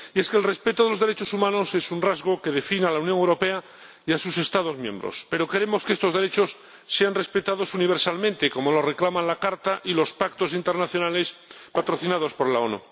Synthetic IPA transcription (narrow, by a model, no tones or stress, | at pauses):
ie̞skelre̞spe̞t̪oðelozðeɾet͡ʃo̞sumãno̞se̞sunrazɣoke̞ð̞e̞finalaunjoŋewɾo̞pe̞a | iasuse̞st̪aðo̞zmjẽ̞mbɾo̰spe̞ɾo̞ke̞ɾe̞mo̞skeest̪o̞zðeɾe̞t͡ʃo̞sː | e̞anre̞spe̞t̪að̞o̞suniβ̞eɾsalmẽnt̪e̞ko̞molo̞re̞klamãnlakaɾt̪aʔilo̞spak̚t̪o̞sint̪eɾnaθjo̞nale̞s | pat̪ɾo̞θinað̞o̞spo̞ɾlaonṵ